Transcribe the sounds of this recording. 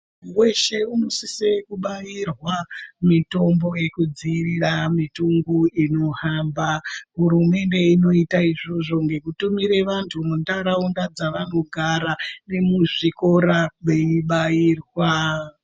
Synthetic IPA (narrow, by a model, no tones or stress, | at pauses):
we̞ʃe̞unosisekuɓajirwamito̞mbo̞je̞kud͡ziriramituŋɡuino̞ɦaːmbaɦuɾume̞nde̞ino̞itaiʐoʐo̞ŋɡe̞kutumiɾe̞ʋantʰumundaɾaundad͡zaʋano̞ɡʱaɾane̞muʐiko̞ɾaɓeiɓajiːrwa